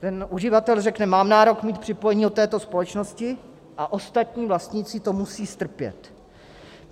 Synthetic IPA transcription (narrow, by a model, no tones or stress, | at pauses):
t̪ɛnʔuʒɪvat̪ɛlrɛknɛmaːmnaːɾo̞kmiːt̪̚pr̥ɪpo̞jɛɲiːdot̪ɛːt̪o̞spo̞lɛt͡ʃno̞scɪ | ʔaʔo̞st̪at̪ɲiːvlast̪ɲiːt͡sɪt̪o̞musiːst̪r̩pjɛ̰t̪